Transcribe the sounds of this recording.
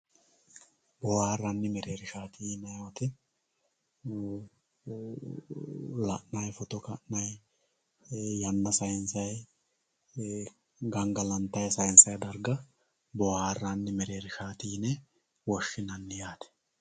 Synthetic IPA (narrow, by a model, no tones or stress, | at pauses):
bɔwaːrːɐnːɪmɛɾeːɾɪʃaːt̪iːnɐjɐt̪ɪ | lɐʔnɐjfɔt̪ɔkɐʔnɐj | jɐnːɐsɐjnsɐj | ɡɐŋɡɐlɐnt̪ːɐjsɐjɪnsɐjd̪ɐɾɡɐ | bɔwaːrːanːɪmɛɾe̞ːɾɪʃaːt̪iːnɛ | wɔʃːɪnɐnːɪjaːt̪ɛ̥